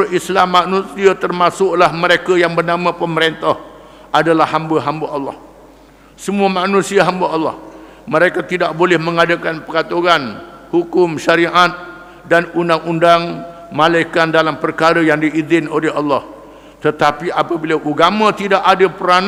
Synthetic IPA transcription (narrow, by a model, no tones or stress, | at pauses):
ʔislamːaʔnũsiat̪ərmasʊʔlahməɾekajaŋbərnamãpəməɾent̪ah | adalahhambaɦambaʔɑlːɑ̰h | səmuamanũsiaɦambaɑlːɑ̰h | mə̃ɾekat̪idaʔbolɛhmə̃ŋadakanpəkat̪uɣanhukʊmʃaɾiʔat̪̚ | danundaŋundaŋ | malajkandalampərkaɾəjaŋdiʔːzɪnolɛɦɑlːɑh | t̪ət̪apiapabilaʔuɡamãt̪idaʔadapəɾan